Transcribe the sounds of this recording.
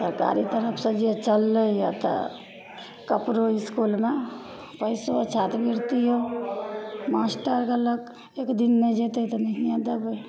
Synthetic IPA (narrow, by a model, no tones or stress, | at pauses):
səɾka̰ɾit̪əɾəpʰsə̃d͡ʒiet͡ʃəlːəja̰t̪ə̰ | kəpɾoiskulme | pəɪsot͡ʃʰat̪bʱiɾt̪iɦo | masʈəɾkələk | ekd̪inmed͡ʒet̪et̪ɔniɦjãd̪əbəj